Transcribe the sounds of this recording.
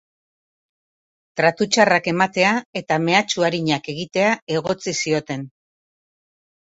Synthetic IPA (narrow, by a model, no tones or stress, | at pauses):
t̪ɾat̪ut͡ʃarake̞mat̪e̞ae̞t̪ame̞at͡ʃuaɾiɲake̞ɣit̪e̞ae̞ɣ̞o̞t͡sisio̞t̪e̞n